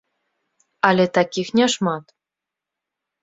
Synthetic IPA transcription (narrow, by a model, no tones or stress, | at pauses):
ɑlʲet̪ɑkʲixnʲɑʃmɑt̪